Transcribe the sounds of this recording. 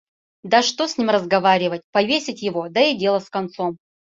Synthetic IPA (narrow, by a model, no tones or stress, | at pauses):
d̪aʂt̪osʲnʲimrəzɡɐvaɾʲɪvətʲpɐvʲesʲɪtʲjɪvo̞d̪ɐɪdʲelˠəskɐnt̪som